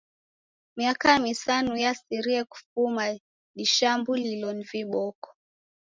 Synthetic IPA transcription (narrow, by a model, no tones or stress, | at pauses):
miakamisanujasiɾiaku̥fuma | ɗiʃambulilɔniviɓɔkɔ̥